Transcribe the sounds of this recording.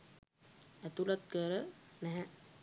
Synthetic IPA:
æt̪ulat̪̚kəɾənɛɦɛ̃

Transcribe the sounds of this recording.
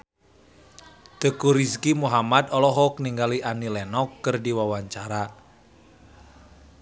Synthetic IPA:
d̪̥ə̤kuɾiskimuɦamat̪ɔlɔɦɔk̚niŋɡaliʔanilɛnɔkːərdiwawaɲt͡ʃaɾa

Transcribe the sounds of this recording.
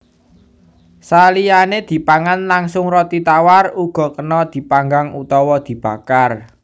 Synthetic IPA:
salijaned̪̥i̤paŋanlaŋsʊŋrɔt̪it̪awaruɡ̥ɔ̤kənɔd̪̥i̤paŋɡaŋut̪ɔwɔd̪̥i̤b̥a̤kar

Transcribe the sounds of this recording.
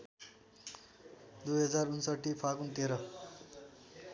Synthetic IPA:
d̪ujɦʌd͡zaɾunsʌʈːipʰakunt̪eɾʌ

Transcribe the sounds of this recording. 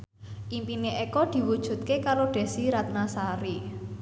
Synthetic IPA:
ʔimpineʔekɔd̪̥i̤wud̥ʒ̥ṳt̪̚kekaɾoɖ̥ɛ̤siɾat̪̚nasaɾi

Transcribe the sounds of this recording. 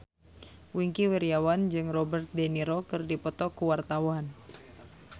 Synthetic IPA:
wiŋkiwiɾiawand͡ʒɨŋrɔbərt̪̚dɛniɾokɨrdipɔt̪ɔkuwart̪awan

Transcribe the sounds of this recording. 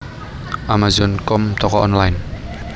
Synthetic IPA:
ʔamazɔnkɔmt̪ʰɔkɔʔɔnlajn

